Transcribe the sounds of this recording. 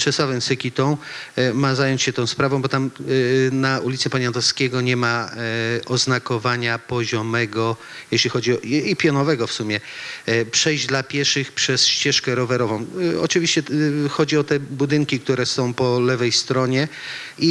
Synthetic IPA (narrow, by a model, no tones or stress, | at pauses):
t͡ʂɛswavɛmsɛkʲit̪ɔ̃w̃mazajɔɲt͡ɕɕɛt̪ɔ̃w̃spɾavɔ̃w̃bɔt̪amnaulʲit̪sɛpaɲant̪ɔskʲeɡɔɲɛma | ɔznakɔvaɲapɔʑɔmɛɡɔ | jɛɕlʲixɔd͡ʑiɔipʲjɔnɔvɛɡɔfsumʲjɛpʂɛjʑd͡ʑd̪lapʲjɛɾʂɘxpʂɛsɕt͡ɕɛʂkɛɾɔvɛɾɔvɔ̃w̃ɔ̰t͡ʂɨvʲiɕt͡ɕɛxɔd͡ʑiɔt̪ɛbud̪ɘŋkʲik̚t̪uɾɛsɔ̃w̃pɔlɛvɛjst̪ɾɔɲɛ | i